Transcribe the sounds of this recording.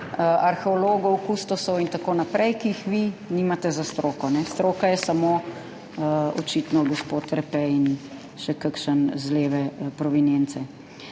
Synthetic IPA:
əaɾxɛɔloːɡɔwkust̪ɔsɔwint̪akoːnapɾɛjkiːxʋiniːmat̪ɛzast̪ɾoːkɔnɛst̪ɾoːkajɛsamo | əɔ̰t͡ʃit̪nɔɡɔspot̪ɾɛpɛin | ʃɛkəkʃənzleːʋɛpɾɔʋinent̪sɛ

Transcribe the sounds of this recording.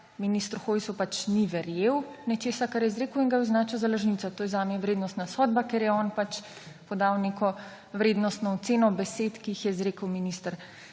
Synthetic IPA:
minist̪ɾuxoːjsupat͡ʃniʋɛɾjewnɛt͡ʃeːsakaɾjɛzɾeːkəwinɡauznaːt͡ʃɛwzalaʒnit̪at̪oːjɛzaːmjɛʋɾeːd̪nɔst̪nasɔːd̪̚bakeɾjɛɔːnpat͡ʃ | pɔd̪awnekɔ | ʋɾeːd̪nɔst̪nɔːt̪seːnɔbɛset̪kiixjɛzɾeːkəwminist̪ɾ

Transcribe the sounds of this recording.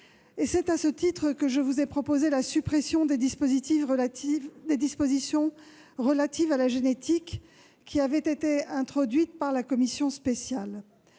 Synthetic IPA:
esɛt̪asət̪it̪χəkəʒəvuzɛpχɔpozelasypχesjɔ̃d̪esozit̪if | d̪ed̪ispozisjɔ̃ | ʁəlat̪ivalaʒenet̪ikʲː | iavɛt̪et̪eɛ̃t̪χɔd̪ɥit̪̚paʁlakɔmisjɔ̃spesjal

